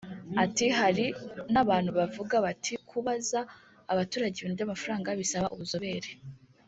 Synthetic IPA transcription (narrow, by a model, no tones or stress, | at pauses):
atiɦaɾinaβaːn̥huβavuɡaβatʰikʰuβazaː | βatuːɾaɟeβinubɟamafaɾaːŋɡaβisaβaʔuβuzo̞βe̞ːɾe